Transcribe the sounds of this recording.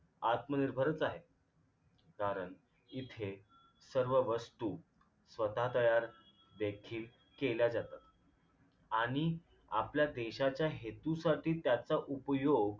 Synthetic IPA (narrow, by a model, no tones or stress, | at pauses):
at̪məniɾbʱəɾət͡saɦe | kaɾəɳ | it̪ʰe | səɾʋəʋəst̪uː | sʋət̪at̪əjaɾ | d̪ekʰiːl | keljad͡zat̪at̪ | aɽ̃i | a̰pljad̪eɕat͡ɕjaɦet̪usaʈiːt̪jat͡saʔupəjoɡ